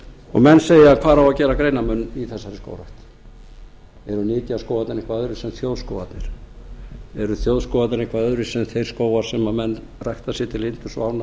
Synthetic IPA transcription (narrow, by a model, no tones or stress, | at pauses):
ɔ̰ɣmɛnːseːjakʰv̥aːɾawacɛːɾakɾeːjnamʏnːiθɛsːaɾɪsko̰wɾajht̪ | ɛɾʏnɪːc̪ɪaskowat̪nɪɾẽŋkvaœðɾɪsɛmθjoːwðskowvat̪nɪɾ̥ | ɛɾʏθjoːwðskɔːwvat̪nɪɾẽŋkvaœðɾɪsɛmθejɾ̥skoːwvaɾ̥sɛmamɛnː | rajht̪asjɛt̪ʰɪlɪnt̪ʏ̥svaːwna